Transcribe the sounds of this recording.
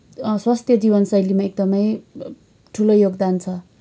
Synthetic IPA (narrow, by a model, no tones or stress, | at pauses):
swast̪ʰjʌd͡zibʌnsʌjlimaek̚d̪ʌmʌj | ʈʰulojoɡd̪ant͡sʰʌ